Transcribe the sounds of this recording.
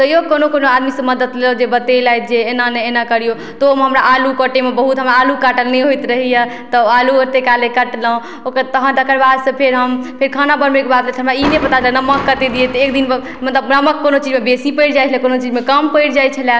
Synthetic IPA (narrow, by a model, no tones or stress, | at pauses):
t̪əjokonokonoad̪misə̃məd̪ət̪lelod͡ʒebət̪elajt̪̚d͡ʒeːnanɛenakəɾijo | t̪omeɦəmɾaʔalukəʈemebəɦut̪ɦəmɾaːlukaʈəlneɦojt̪ɾəɦijə | t̪ɔaluəɾt̪ekalekəʈləõ | okəɾt̪əɦənd̪əkəɾbad̪sə̃pʰeɾɦəmpʰeɾkʰanabəɾmekebad̪let͡ʃʰɦəmɾainepət̪ad̪ilenəməkːət̪ed̪ijet̪ɔek̚d̪in | mət̪ləbnəməkːonot͡ʃid͡ʒmebesipəjɾd͡ʒajt͡ʃʰəlekonot͡ʃid͡ʒmekəmpəjɾd͡ʒajt͡ʃʰəla